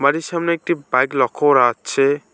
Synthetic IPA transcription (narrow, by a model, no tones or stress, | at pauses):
maɾisamneek̚ʈibajklɔkʰoɾat͡ʃʰe